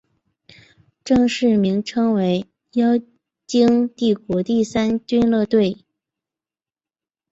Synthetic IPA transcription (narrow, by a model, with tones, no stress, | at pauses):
ʈ͡ʂɤ˥˧ŋʂɻ̩˥˩mi˧˥ŋʈ͡ʂʰɤ˥ŋwe˧˥ɪ | jɑ˥ʊ | t͡ɕi˥ŋt̪i˥˩kwɔ˧˥t̪i˥˩sa˥nt͡ɕy˥nlɤ˥˧t̪we˥˩ɪ